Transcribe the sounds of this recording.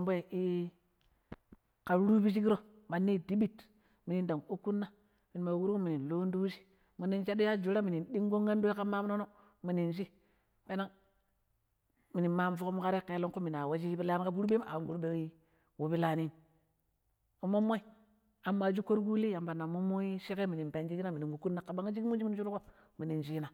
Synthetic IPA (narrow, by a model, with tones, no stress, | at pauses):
mbo˦˨i˦ | ka˨˦ɾu˦bi˦ʃi˦ki˦ɾo˦ | ma˨nːi˦˨di˦bi˦t | mi˨ni˨nda˨ŋo˦ku˦nːa˦ | mi˨n˨ma˨wu˦ɾku˦mi˨ni˨nlo˦n˦du˦ʃi̥˦ | mi˨ni˦nt͡ʃa˦do˦ja˦d͡ʒu˨˦ɾa˦mi˨ni˨nɗi˦ŋɡo˦ŋːa˦ndu˦e˦ka˦ma˦mno˦no˦ | mi˨ni˨nʃi˦ | ɓe˦na˦ | mi˨ni˨ma˦m˦fu˦ko˦mu˦ka˦ɾe˦ke˨˦lo˦ŋkmi˨na˨wa˦d͡ʒi˦bi˦la˦n˦ka˦ɡu˦ɾbe˦m˦a̰˨ɡu˦ɾbe˦wi˦ | wo˨˦bi˦la˨ni˦n | u˨mo˦mo˦i˦ | a˨mːa˨d͡ʒu˦ko˦ɾɡu˦li˦ja˨mba˨na˨mo˦mo˦ji˦ʃi˦ke˦mi˨ni˨mpe˨nd͡ʒi˦ki˦na˦mi˨ni˨ŋɡu˨ku˦nːa˦ka˨ba˦ŋa˦d͡ʒi˦ki˦mu˦d͡ʒi˦i˨˦d͡ʒu˦ɾko˦ | mi˨ni˨nd͡ʒi˦na˨